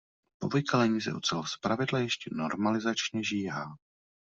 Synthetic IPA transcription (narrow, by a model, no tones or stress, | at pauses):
povojkalɛɲiːzɛ̰ʔut͡sɛlspɾavɪdlajɛʃcɛno̞ɾmalɪzat͡ʃɲɛʒiːɦaː